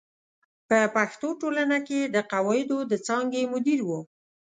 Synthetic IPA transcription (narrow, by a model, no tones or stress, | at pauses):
pəpaxt̪oʈolanaked̪əqawɑɪd̪od̪ət͡sɑŋɡemʊd̪iɾwu